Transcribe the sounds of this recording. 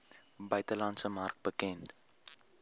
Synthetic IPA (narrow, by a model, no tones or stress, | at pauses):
bœɥtəlɐntsəmɐrk̚bəkɛnt